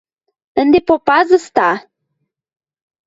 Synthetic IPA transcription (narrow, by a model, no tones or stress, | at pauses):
ənd̪epopɑzə̆st̪ɑ